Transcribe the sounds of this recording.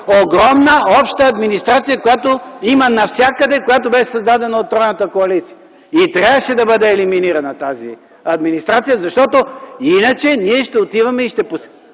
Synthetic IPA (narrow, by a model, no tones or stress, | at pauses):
oɡɾɔmnəɔpʃt̪əɐd̪minist̪ɾat̪sijəkojat̪oimənɐfsʲjakəd̪ɛkojat̪obɛʃɛsɐzd̪ad̪ɛnɐot̪̚ːɾɔjnət̪əkoɐlit̪sijə | it̪ɾʲavəʃɛd̪ɐbɤd̪ɛːliminiɾɐnɐt̪azḭ | ɐd̪minist̪ɾat̪sijəzɐʃt̪ɔt̪oinət͡ʃɛniɛʃt̪ɛot̪ivɐmɛiʃt̪ɛpos